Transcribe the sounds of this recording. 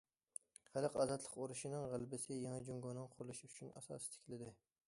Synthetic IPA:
χælˠɨqɑːzɑt̪lˠə̥qoɾuʃinɨŋʁælbɪsɪjɛŋɛd͡ʒoŋɡɑnɨŋqʰʊɾlˠuʃyt͡ʃʰynɛ̰sɑ̰ːsɪ̥t̪ʰɪ̥kʲʰlɪd̪ɪ

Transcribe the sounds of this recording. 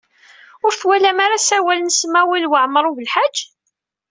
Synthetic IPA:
ʊɾθwælæmaɾasæwælənsmæwilwəʕməɾˤuvəlħḁd͡ʒː

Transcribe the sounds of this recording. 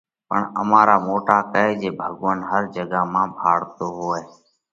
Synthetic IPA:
pəɳə̰mãːɾaːmoːʈaːkəeːd͡ʒeːbʱəɠʋənɦəɾd͡ʒəɡaːmãːbʱaːɽt̪oːɦoːeː

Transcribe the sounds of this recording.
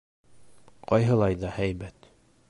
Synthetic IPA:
qɑjɦɤ̆lˠɑjðɑhæjbæt̪

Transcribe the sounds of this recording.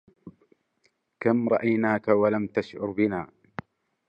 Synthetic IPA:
kamɾˤɑʔajnaːkawalamt̪aʃʕʊɾbɪnaː

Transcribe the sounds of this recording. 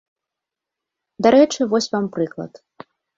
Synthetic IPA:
d̪aɾɛt͡ʂɨvɔsʲvampɾɨklˠɐ̰t̪

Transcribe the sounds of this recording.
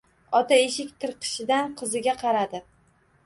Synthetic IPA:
ɒt̪aeʃɪkʲt̪ʰɨɾqʰɨ̥ʃɪd̪anqʰɨzɪɡʲaqʰɑɾad̪ɪ

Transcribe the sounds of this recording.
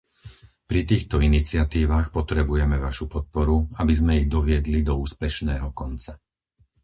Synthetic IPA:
pɾit̪iːxt̪ɔinit͡sɪat̪iːʋaːxpɔt̪ɾɛbujɛmɛʋaʃupɔt̪̚pɔɾuabizmɛiɣd̪ɔʋɪɛd̪lid̪ɔuːspɛʃnɛːɦɔkɔnt͡sa

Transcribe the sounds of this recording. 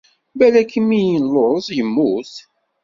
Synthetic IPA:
bælækːəmːijənloɾˤzˤjəmːuθ

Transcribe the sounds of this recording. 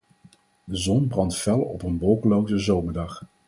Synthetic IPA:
dəzɔnbrɑntfɛlˠɔpənʋɔlˠkəlowzəzowməɹdɑχ

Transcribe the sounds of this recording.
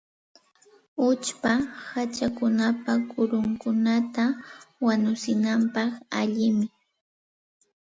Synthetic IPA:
ʊt͡ʃpahat͡ʃakʊnapakʊɾʊŋkʊnat̪awanʊsɪnampɑχaʎɪmɪ

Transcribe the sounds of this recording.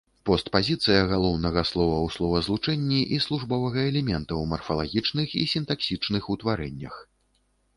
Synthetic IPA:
pɔst̪pazʲit̪sɨjɐɣalˠɔwnɐɣɐslˠɔvɐwslˠɔvɐzlˠut͡ʂɛnʲːiʔislˠuʐbɔvɐɣɐɛlʲɛmʲɛnt̪ɐwmɐrfɐlˠaɣʲit͡ʂnɨxḭsʲint̪aksʲit͡ʂnɨxut̪vaɾɛnʲːɐ̰x

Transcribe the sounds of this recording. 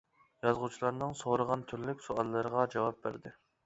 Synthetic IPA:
jɑzʁut͡ʃʰilˠɑɾnɨŋsoɾəʁɑnt̪ʰyɾlykʲsuɑlˠːɨɾəʁɑd͡ʒɑwɑp̚bæ̰ɾd̪ɪ

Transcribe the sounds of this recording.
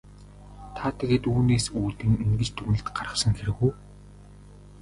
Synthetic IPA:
t̪ʰat̪ʰeɣeːt̪uːneːsuːt̪ĭŋiŋɡɘ̆t͡ɕt̪ʰɵɣnɘ̆ɬt̪ɢaɾə̆sə̆ŋxeɾɘ̆ɣuː

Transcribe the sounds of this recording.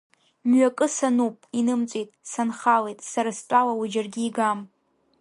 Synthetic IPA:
mɥakʼɨsanupʼinɨmt͡sʷʼitʼsanχalejtʼsaɾastʷʼalawud͡ʒarɡʲiːɡam

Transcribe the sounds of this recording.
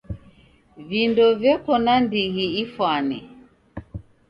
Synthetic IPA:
vindɔvjɛkɔnandiɣiifwani

